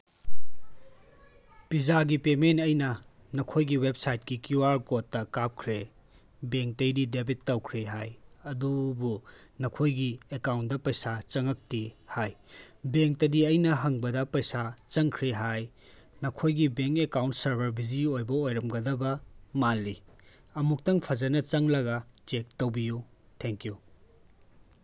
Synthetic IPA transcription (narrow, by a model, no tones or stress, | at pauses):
pizaɡipementɐjnɐ | nɐkʰojɡiwep̚sajt̚kikjuwaɾkotːɐkap̚kʰɾe | beŋk̚tɐjdidebitːɐwkʰɾeɦajɐdubunɐkʰojɡiekawntdɐpɐjsat͡ʃɐŋɐk̚tihajbeŋk̚tɐdiɐjnɐɦɐŋbɐdɐpɐjsat͡ʃɐŋkʰɾeɦaj | nɐkʰojɡibeŋkekawnt̚sɐɾbɐɾbiziojbɐojɾɐmɡɐdɐbɐmalːiɐmuk̚tɐŋpʰɐzɐnɐt͡ʃɐŋlɐɡɐt͡ʃek̚tɐwbiju | tʰeŋkju